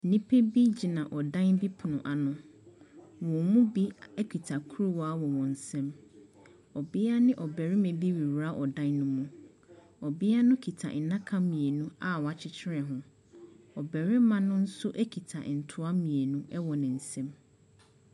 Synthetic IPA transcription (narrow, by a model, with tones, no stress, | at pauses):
nĩ˦pʰe˦bi˦d͡ʑi˨nã˨ʔɔ˨dã˦nbi˦pʰʊ˨nʊ̰̃˨ʔa˨nʊ̃˨ | wɔ̃˨mũ˦bi˦ɛ˦kᶣi˨tʰa˨kʰu˦ɾu˦wɔ˨˦a˦wɔ˨wɔ̃˨n̩˨sɛ̃˦m | ɔ˨bɪ˦a˦nɪ̃˦ʔɔ˨bɛ˨ɾɪ˦mẽ˨bi˦ɾi˨wɾa˦ʔɔ˨dã˦nːʊ̃˦mũ˦ | ɔ˨bɪ˦a˦nʊ̃˦kʰi˨tʰa̰˨ʔɪ˨nã˦kʰã˦mĩ˨e˨nũ˦a˦wɔ˨a˨t͡ɕʰɪ˨t͡ɕʰɪ˦ɾɛ˨ɦʊ̃˦ | ɔ˨bɛ˨ɾɪ˦mã˦nʊ̃˦n̩˦sʊ˦ʔɛ˦kʰi˨tʰa̰˨n̩˨tʰʊ˦a˦mĩ˨e˨nũ˦ʔɛ˦wɔ˨nɪ̃˨n̩˨sɛ̃˦m